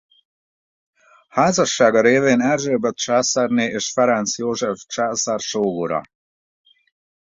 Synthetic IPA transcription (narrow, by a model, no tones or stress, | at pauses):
haːzɒʃːaːɡɒɾeːveːnɛrʒøːbɛt̪̚t͡ʃaːsɛrneːʔeːʃfɛɾɛnsjoːʒɛft͡ʃaːsarʃoːɡuɾɒ̰